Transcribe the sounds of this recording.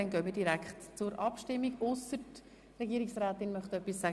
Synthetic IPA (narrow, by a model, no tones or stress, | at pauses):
ɛnɡœːmidiɾækχtt͡sʊɾʔɑpʃtɪmːiɡʊsət | ɾɛɡiːɾiksɾæːt̪ɪnmœχtœpːisːæ